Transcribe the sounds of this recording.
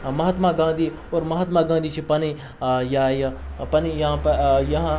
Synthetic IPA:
mɐɦat̪maɡãːnd̪i | oːɾmɐɦat̪maɡãːnd̪it͡ʃʰipɐni | jajpɐnijɐãjɐɦã

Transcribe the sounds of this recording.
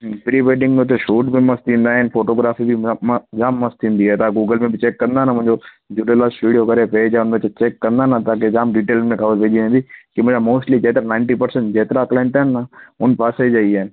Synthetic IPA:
pɾiːʋeːɖɪ̃ŋɡmẽʊt̪ʰeʃuːʈbʱimɐst̪ĩːnd̪aːɦɛnfoːʈoːɡɾaːfibʱid͡ʒaːmːɐst̪ĩːnd̪iɦɛːt̪aːɡuːɡəlmẽbʱit͡ʃeːkːɐɾə̃nd̪aːnamʊ̃ɦɪ̃ɲd͡ʒo | d͡ʒuɖelaːsʈuːɖiokɐɾepeːd͡ʒaʊnbet͡ʃet͡ʃeːkːɐɾ̃nd̪anat̪aːk̬ed͡ʒaːmɖiːʈeːlmẽkʰaːʋəɾpeːd͡ʒiʋẽːnd̪iːkimʊ̃d͡ʒamoːsʈlid͡ʒeːt̪ɾanãːɪ̃ɳʈipəɾsə̃ɳʈd͡ʒeːt̪ɾaklaːɳʈ̪aɦnːaʊnpaːseid͡ʒaːiɛːn

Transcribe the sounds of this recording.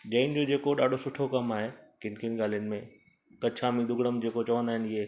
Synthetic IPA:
d͡ʑɐːɪnɪ̆d͡ʑod͡ʑeːkoɗaːɖʱosʊʈʰokɐmaːɦekɪ̃nkʰɪnɪ̆ɠaːl̤ijənɪ̆mẽ | kɐt͡ɕʰãmĩd̪ʊɡɽəmd͡ʑeːkot͡ɕɐʋə̃nd̪aːɦɪnɪɦe

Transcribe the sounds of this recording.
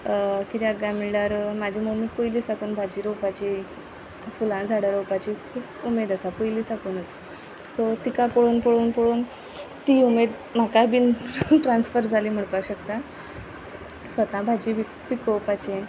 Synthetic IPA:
kit̪jaɡamiɖaɾmad͡ʑʱimomiːkojliːsakuːnbʱad͡ʑiːɾopat͡ɕi | fulãd͡zʱaɽəɾowpat͡ɕikʰuːpumed̪əsapojliːsakuːnət͡s | sot̪ikapoɽuːnpoɭuːnpoɽuːn | t̪iumed̪ | m̤akabiːnʈɾãnsfəɾd͡zʱaliːm̤əɽpaɕəkt̪a | sʋət̪ãbʱad͡ʑiːʋi | pikopat͡ɕe

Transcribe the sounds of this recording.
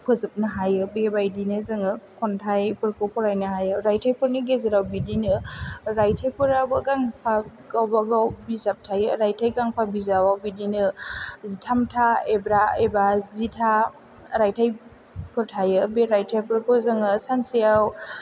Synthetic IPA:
pʰɯzɯp̚nɯɦajɯbebajdinɯzɯŋɯkʰɔntʰajpɯɾkowpʰɔɾajnɯɦajɯɾajtʰajpɯɾnɯɡezɯɾawbidinɯɾajtʰajpɯɾabɯɡaŋpʰaɡawbaɡawbizap̚tʰajɯɾajtʰajɡaŋpʰabizawawbidinɯzitʰamtʰaebɾaebazitʰa | ɾajtʰaj | pʰɯɾtʰajɯbeɾajtʰajpɯɾkozɯŋɯsansijaw

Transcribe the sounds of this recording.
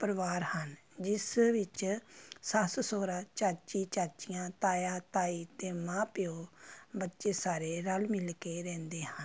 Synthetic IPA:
pəɾʋaːɾhənd͡ʒɪsʋɪt͡ʃsassoːɾaːt͡ʃaːt͡ʃiːt͡ʃaːt͡ʃijãːt̪aːjaːt̪aːiːt̪eːmãːpɪoːbətːʃeːsaːɾeːɾəlmɪlkeːɾɛ̃ːnd̪eːhən

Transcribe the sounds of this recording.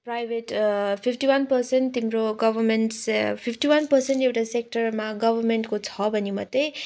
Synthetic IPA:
prajbʱeʈpʰipʰʈiwʌnpʌrsenʈt̪imɾoɡʌbʱʌrmeɳʈspʰipʰʈiwʌnpʌrseɳʈewʈasek̚ʈʌrmaɡʌbʱʌrmeɳʈkot͡sʰʌbʱʌnimʌd̪e

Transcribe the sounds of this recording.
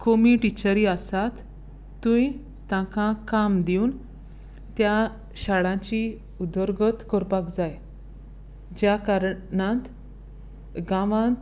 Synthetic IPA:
komiʈit͡ɕəɾiəsat̪ː | ũi | t̪ãkãkamd̪iun | t̪ja | ɕaɭãt͡ɕi | ud̪ɔɾɡət̪kɔɾpakd͡zaj | d͡ʑjakaɾɳãnt̪ | ɡãʋãnt̪

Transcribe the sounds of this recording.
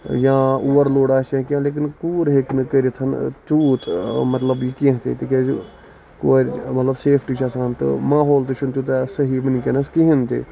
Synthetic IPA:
jãːuːʋəɾloːɽaːsẽkãːleːk̬ɪnkuːɾɦeknkəɾit̪ʰɐnt͡ʃuːt̪mɐt̪ləbjikĩɦt̪ḭt̪ikeːzi | koːmɐt̪ləbseːpʰʈit͡ʃʰasãːnt̪ɨ̰maːɦoːlt̪ɨt͡ʃʰunt̪ut̪asɐɦiːʋənkenɐskiɦint̪ḭ

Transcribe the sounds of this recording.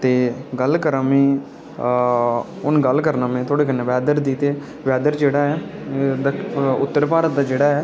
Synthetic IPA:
t̪eːɡəlkəɾaːmẽː | ʊnɡəlkəɾnaːmẽːt̪ʰoːɽeːkənːẽʋɛːd̪əɾd̪iːt̪eː | ʋɛːd̪əɾd͡ʒeːɽaːɛːd̪aʊt̪ːəɾpaːɾət̪̚d̪aːd͡ʒeːɽaːɛː

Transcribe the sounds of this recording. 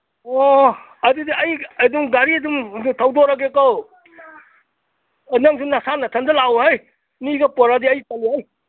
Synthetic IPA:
ɔ | ɐdudiɐjaduŋɡaɾiaduŋtʰawdɔɾaɡ̬ekɔw | naŋsunasanatʰandɐlawɦaj | niɡapɔɾadiɐjpaliɦaj

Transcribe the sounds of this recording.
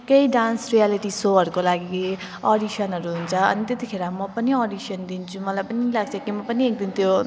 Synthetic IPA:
keiɖansrijaliʈisoɦʌɾukolaɡi | ɔɖisʌnɦʌɾuɦunt͡sʰʌʌ̰nit̪et̪ikʰeɾamʌpʌniɔɖisʌnd̪int͡sʰumʌlajpʌnilaɡ̚t͡sʰʌkimʌpʌniek̚d̪int̪ʰjo

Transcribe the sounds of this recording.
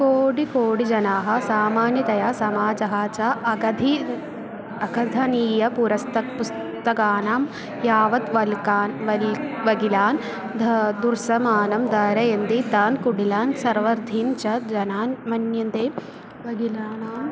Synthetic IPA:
koːɽikoːɽid͡ʒɐnaːɦɐ̆saːmaːnjɐt̪ɐjaːsɐmaːd͡ʒɐɦaːt͡ʃaːʔɐɡɐd̪ʱi | ɐkʰɐd̪ʱɐniːjɐpuɾɐst̪ɐkpus | t̪ɐkaːnaːm | jaːʋɐt̪ʋɐlkaːnʋɐlʋɐɡilaːn | d̪ʱɐd̪uɾsɐmaːnɐmd̪aːɾɐjɐnd̪it̪aːnkuɽilaːnsɐɾʋɐɾd̪ʱiːnt͡ʃɐd͡ʒɐnaːnmɐnjɐnt̪eː | ʋɐɡilaːnaːm

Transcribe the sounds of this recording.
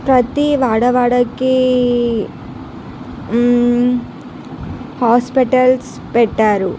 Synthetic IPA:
pɾɐt̪iʋaːɽɐʋaːɽɐki | haːspiʈɐls | pɛʈːaːɾu

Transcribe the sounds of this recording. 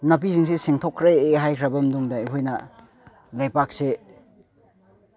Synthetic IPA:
nɐp̬iziŋs̬eseŋtʰokʰːɾeːɦajkʰɾɐbɐmduŋdɐiɦojnɐ | lajpak̚se

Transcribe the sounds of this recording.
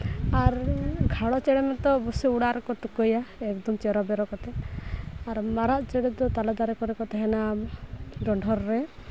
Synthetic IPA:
aɾɡʱaɽɔt͡ʃɛɽɛmɛt̪ɔbusiuɽaɾɔkɔʈ̪ukɔjaɛkd̪ɔmt͡ʃeɾɔbɛɾɔkɔt̪ɛ | aɾmaɾaʔt͡ʃɛɽɛd̪ɔt̪alɔd̪aɾɛkɔɾɛkɔt̪ɛɦɛna | ɡɔɳɖʱɔɾːe

